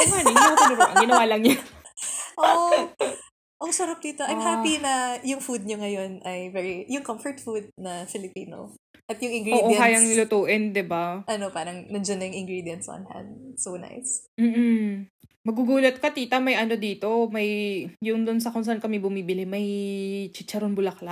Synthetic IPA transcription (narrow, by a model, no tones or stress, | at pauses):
ɛnaniɐnobʔɐŋɡɪnɐwaːlɐŋɲo | ʔoʔ | ʔɐŋsɐɾɐp̚d̪iːt̪oʔɐjmhapinɐjʊŋfud̪̚ɲoŋɐjo̞nʔɐjvɛɹijʊŋkɐmfɔɹt̪fud̪̚nɐfɪlɪpiːno̰ | ʔɐt̪jʊŋɪ̃ŋɡɾʔoːʔojkaːjɐŋlʊt̪uːʔɪnd̪ɪbaʔɐnopaːɾɐŋnɐd͡ʒonːɐjʊŋɪŋɡɾid̪jɐnt̪sʔɐ̰nha̰nd̪̚sowna̰jsm̩ːʔm̩ | mɐɡuɡuːlɐt̪̚kɐt̪iːt̪ɐmɐjʔɐno̞d̪iːt̪o̞mɐjjʊŋd̪ʊns̬ɐkʊŋs̬ɐʔankɐmɪbʊmiːbɪlɪmɐjt͡ʃɪt͡ʃɐɾonbʊlɐkla